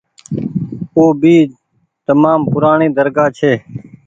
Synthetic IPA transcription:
oːbʱiː | t̪əmaːmpʊɾaːɳẽːd̪əɾɡaːt͡ʃʰeː

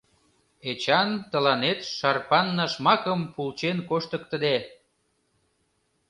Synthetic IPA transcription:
et͡ɕɑnt̪əlɑnet̪ʃɑrpɑnːɑʃmɑkəmpult͡ɕenkoʃt̪əkt̪əd̪e

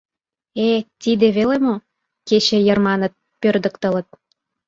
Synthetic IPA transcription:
et̪id̪ĕβelemo | ket͡ɕĕjermɑnə̆t̪̚ | pørd̪ə̆kt̪ə̆lə̆t̪̚

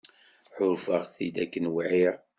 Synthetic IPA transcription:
ħʊɾfəʁθid̪ækːənwiʕiɾ

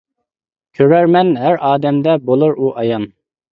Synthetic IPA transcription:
kʲʰøɾæɾmɛnɦæɾɑːd̪ɛmd̪ɛbolˠʊɾuʔɑjɑn

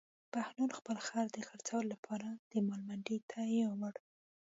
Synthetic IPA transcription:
pahnuɾxpəlxɑɾd̪əxaɾt͡sawəlolapʰɑɾad̪̥əmɑlmaɳɖit̪ʰajewawaɽ

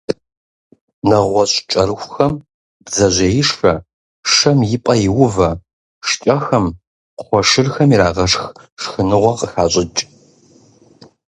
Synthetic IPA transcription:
nɐʁʷɔɕt͡ʃʼɐɾɨxʷxɐm | bzɐʑʷɐjɪʂfɐ | ʂɐmjɪpʼɐjɪwʊvɐ | ʂt͡ʃʼɐxɐm | qʷɔʂɨrxɐmiɾaːʁɐʂx | ʂxɨnɨʁʷɔqəxaːɕʼɪt͡ʃʼ

